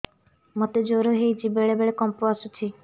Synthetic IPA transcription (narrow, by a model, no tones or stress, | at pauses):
mɔt̪ed͡ʒoɾoɦejd͡ʒibeɭebeɭekɔmpoasut͡ʃʰi